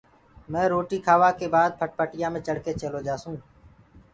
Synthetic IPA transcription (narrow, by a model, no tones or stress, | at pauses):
mɛ̃ːɾoːʈiːkʰaːʋaːkeːbaːd̪̚pʰəʈ̚pəʈɪjãːmẽːt͡ʃəɽkeːt͡ʃəloːd͡ʒaːsũː